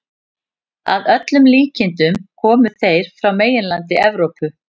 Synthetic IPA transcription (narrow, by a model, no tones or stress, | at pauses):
a̰ðœt̪lʏmliːcɪnt̪ʏmkʰɔːmʏθejɾ̥fɾawmeːjɪnlant̪ɪʔɛvɾowpʏ